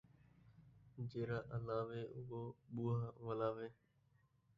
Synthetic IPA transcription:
d͡ʒeːɾaːʔəlaːʋeːʔʊɦoːɓuːɦaːʋəlaːʋeː

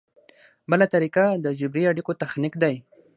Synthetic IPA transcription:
bəlat̪aɾikad̪əd͡ʒɪbɾiaɽikot̪axnikd̪aj

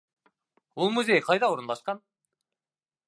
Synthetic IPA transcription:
ulˠmuze̞jqʰɑjd̪ɑwoɾunlˠɑʃqɑn

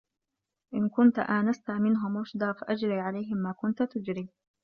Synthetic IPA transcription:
ʔɪnkʊnt̪ʔaːnast̪amɪnɦʊmɑʃd̪ˤɑːfaʔad͡ʒɾiːʕalajɦɪmːaːkʊnt̪t̪ʊd͡ʒɾiː

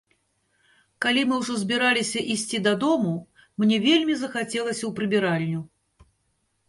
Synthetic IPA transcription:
kalʲimɨwʐɔzʲbʲiɾalʲisʲɐʔisʲt͡sʲid̪ɐd̪ɔmu | mnʲɛvʲelʲmʲizɐxat͡sʲɛlˠɐsʲɐwpɾɨbʲiɾalʲinʲu

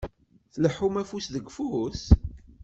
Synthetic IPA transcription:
θəlħumæfusðəɡfuʊs

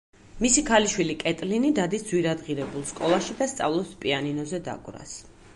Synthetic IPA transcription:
misikʰaliʃwilikʼɛt̪ʼlinid̪ad̪isd̪zwiɾad̪ʁiɾɛbulˠskʼɔlˠaʃid̪ast̪sʼa̰vlˠɔspʼianinɔzɛd̪a̰ɡʼɾa̰s

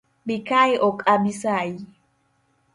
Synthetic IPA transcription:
bikajʔɔkʼabisaj

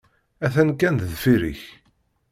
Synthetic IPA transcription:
æθænkːænððfiɾḭç

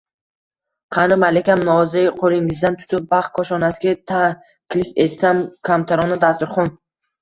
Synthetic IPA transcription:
qʰɑnɪmalekʲamnɒzɪqʰolˠɪŋɪzd̪ant̪ʰʊ̥t̪ʰɪp̚baχ̚kʰːɒʃɒnasɪɡʲat̪ʰa | kʲʰlɪʃet̪samkʰamt̪ʰaɾɔnɪd̪ast̪ʊɾχɒn

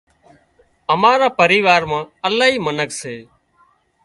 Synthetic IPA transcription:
əmaːɾaːpəɾiːʋaːɾmãːəlaːɦiːmənəkseː

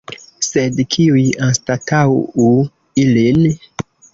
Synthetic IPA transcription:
sedkʰiujanstatʰawu | ilin

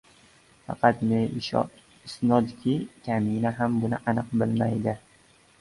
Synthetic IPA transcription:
fɑ̰qʰɑt̪meʃ | ɪsnɒd̪kʲʰɪkʲʰaminaɦambʊnɪʔanɨqbɪlmajd̪ɪ

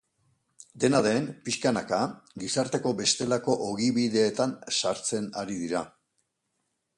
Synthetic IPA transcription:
d̪e̞naðe̞mpiskanakaɡisaɾt̪eko̞βe̞st̪e̞lako̞ʔoɣiβiðe̞ːt̪ansaɾt͡se̞naɾiðiɾa

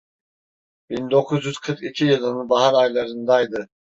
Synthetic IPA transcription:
b̥ind̪o̞kʰuzjyz̥kʰɯɾkicʰijɯlˠɯnɯnbaɦaɾajlˠaɾɯnd̪ajd̪ɯ

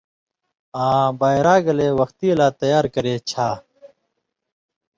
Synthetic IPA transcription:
ãːbaːjɾaːɡɐleːwɐxt̪iːɐlaːt̪ɐjaːɾkɐɾeːt͡ɕʰaː

